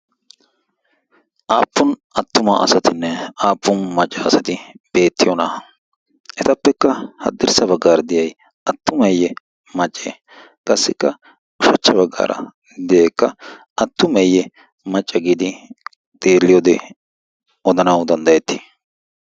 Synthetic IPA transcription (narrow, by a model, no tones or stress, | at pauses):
ʔaːpːʊnɐt̪ːʊmɐʔɐ̰sɐt̪ɪnːɛaːpːʊnmɐt͡ʃʼːɐːsɐt̪ɪb̥e̞ːt̪ːɪjɔnɐ | ʔɛt̪ɐpːɛkːɐhɐ̰d̪ːɪɾsɐbɐɡːaːɾɐd̪ɪjɐj | ɐt̪ːʊmɐjːɛ | mɐt͡ʃʼːḛː | kʼɐsːɪkːɐ | ʊʃɐt͡ʃːɐβɐɡːa̰ːɾɐ̰ | d̪ɛjɛkːɐ | ɐt̪ːʊmɛjːɛ | mɐt͡ʃʼːɐɡiːd̪ɪ | t̪ʼeːlːɪjoːd̪ɛ | ɔd̪ɐnɐwd̪ɐnd̪ɐjɛt̪ːɪ̥